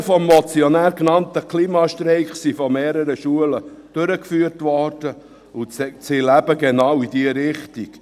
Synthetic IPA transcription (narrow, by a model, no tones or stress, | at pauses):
fɔmːɔt͡siɔnæːɾknɑnt̪əklimɑːʃt̪ɾɛɪχsifɔmeːɾəɾəʃuələ | d̥øɾəkfyːəɾtʋɔɾd̥ə | ʊt͡st͡silæbəɡenɑwid̥iəɾɪχtik